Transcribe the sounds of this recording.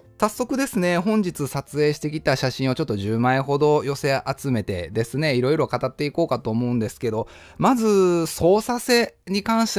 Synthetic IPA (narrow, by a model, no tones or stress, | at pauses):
sasːo̞kɯ̟d̪e̞sɨne̞ɦõ̞ɲ̟d͡ʑit͡sɨsat͡sɨe̞ːɕi̥t̪e̞kʲit̪aɕaɕĩɰ̃o̞t͡ɕo̞t̪ːo̞ʑɨːmaeɦo̞d̪o̞jo̞se̞ʔat͡sɨme̞t̪e̞̰d̪e̞sɨne̞iɾo̞iɾo̞kat̪at̪ːe̞iko̞ːkat̪o̞ːmo̞ɯ̟̃nd̪e̞sɨ̥ke̞d̪o̞ | mazɨso̞ːsase̞ɲ̟ikãɰ̃ɕi̥t̪